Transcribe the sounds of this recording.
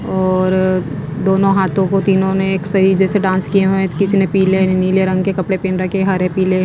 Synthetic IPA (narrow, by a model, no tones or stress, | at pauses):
ɔːɾ | d̪oːnõɦaːt̪ʰõkot̪iːnõneːksɐid͡ʒɛːseɖãːnskieɦẽkɪsnepiːleniːleɾɐ̃ŋɡkekɐpɽepeːnɾɐkeɦɐɾepiːle